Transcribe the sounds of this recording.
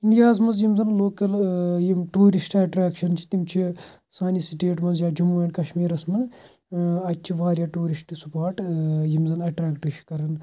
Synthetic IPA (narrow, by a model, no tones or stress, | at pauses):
iɳɖijaːzmɐnzjimzɐnloːkɐljimʈuːɾisʈɐʈɾaːkʃɐnt͡ʃʰi̥t̪imt͡ʃʰi | saːnisiʈeːʈmɐnzjaːd͡ʒumːmɐːɳɖkɐʃmiːɾɐsmɐz | ɐt͡ʃʰiʋaːɾjaːʈuːɾisʈsupaːɾʈjimzɐnɐʈɾaːkʈʃʰi̥kɐɾɐn